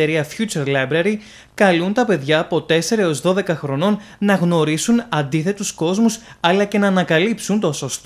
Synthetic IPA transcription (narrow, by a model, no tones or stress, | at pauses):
eɾiɐfçut͡ʃeɾlɐjbɾɐɾi | kɐlunt̪ɐpe̞ðʝɐːpo̞t̪e̞se̞ɾɐeo̞zðo̞ðe̞kɐxɾo̞no̞n | nɐɣno̞ɾisunɐnd̪iθe̞t̪usko̞zmus | ɐlɐce̞nɐːnɐkɐlipsunt̪oso̞st̪o